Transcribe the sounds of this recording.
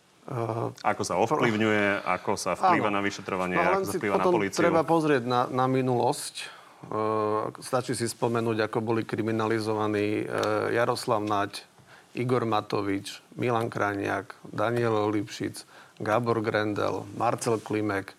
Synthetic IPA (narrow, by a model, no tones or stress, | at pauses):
ʔakɔsaɔfliʊɲujɛa̰kɔsafaːiːʋanaʋiʃɛt̪ɾɔʋaɲɪɔlɛnsiliːʋapɔnat̪ɔmɔliːt͡st̪ɾɛbapɔzɾɪɛɟnanaminulɔsc | st̪at͡ʃisispɔmɛnuːɟakɔbɔlikɾiminalizɔʋaniːjaɾɔslaʊnac | ʔiɡɔɾmat̪ɔʋit͡ʃmilaŋkɾʔaɲɪakd̪aɲɪɛlɔlipʃḭt͡sɡabɔɾɡɾɛnd̪ɛ̰lmaɾt͡sɛlklimɛk